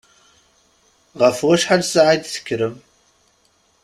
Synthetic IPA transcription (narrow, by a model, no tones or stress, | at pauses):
ʁəfwæʃħalsaʕijd̪θə̥kʲːɾəm